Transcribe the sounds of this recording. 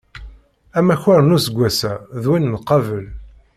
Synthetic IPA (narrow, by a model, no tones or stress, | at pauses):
æmæçʊɾnusəɡʷːæsæðwinːqːɑvəl